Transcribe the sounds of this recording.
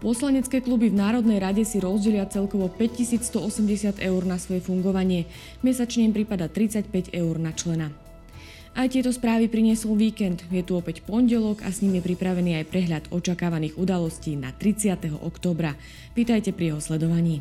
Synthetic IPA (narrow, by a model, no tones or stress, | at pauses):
pɔslaɲɛt͡skɛːklubivnaːɾɔd̪nɛjɾaɟɛsiɾɔzɟɛʎɪat͡sɛlkɔʋɔpɛc̚cisiːt͡sst̪ɔɔsɛmɟɛsɪat̪ɛʊɾnasʋɔjɛfuŋɡɔʋaɲɪɛ | mɛsat͡ʃɲɛmpɾipad̪at̪ɾit͡sacpɛɟɛʊɾnat͡ʃlɛna | ʔajt̪ɪɛt̪ɔspɾaːʋipɾiɲɪɛsɔlʋiːkɛnd̪jɛt̪uɔpɛcpɔnɟɛlɔɡa̰sɲiːmjɛpɾipɾaʋɛniːajpɾɛɦʎad̪ɔt͡ʃakaːʋaniːɣud̪alɔsciːna̰t̪ɾit͡sɪat̪ɛɦɔ̰ʔɔkt̪ɔːbɾa | ʋiːt̪ajcɛpɾijɛɦɔslɛd̪ɔʋaɲiː